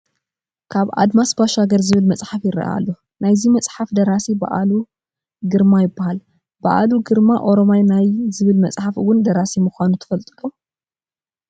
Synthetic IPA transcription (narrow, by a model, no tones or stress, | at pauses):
kʰaβa̰d̪masbaʃaɡɐɾzɨβɨlmɐt͡sʼħafjɪɾɐ̰ʔa̰lːo | najzimɐt͡sʼħafd̪ɐɾasiba̰ʔalu | ɡɨɾmajɪbːahal | b̥a̰ʔa̰luɡɨɾmaʔo̞ɾo̞majnajzɨβɨlmɐt͡sʼħafɨwʊnd̪ɐɾasimuxʷanut̪ʰɐ̥fɐlt̪ʼlu